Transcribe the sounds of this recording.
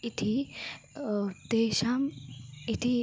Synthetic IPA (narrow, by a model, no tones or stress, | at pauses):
it̪ʰi | t̪eʃamit̪ʰi